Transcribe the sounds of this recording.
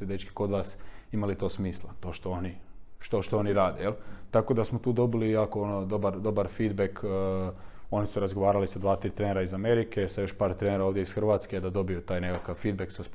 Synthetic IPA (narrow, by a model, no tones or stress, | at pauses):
ed̪et͡ʃki̥ko̞d̪ʋaːsimalit̪o̞ːsmiːslˠa̰t̪o̞ːʃt̪o̞oniʃt̪o̞ʃt̪oo̞niɾaːd̪ejelt̪ako̞d̪asmot̪uːd̪o̞bilijaːkoonod̪o̞baɾd̪o̞baɾfiːd̪bekː | o̞nisuɾazɡoʋaːɾalisad̪ʋaːt̪ɾit̪ɾeneɾaizame̞ɾike̞sajo̞ʃpaːɾt̪ɾeneɾaoːʋd̪jeisxr̩ʋaːt̪ske̞d̪ad̪o̞bijut̪aːjne̞kakaʋfiːd̪beksasp